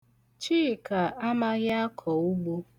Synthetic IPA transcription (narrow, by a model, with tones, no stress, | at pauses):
t͡ʃiː˦˨ka˨a˦ma˦ɣa˦a˦kʰɔ˨u˦ɡ͡bo˦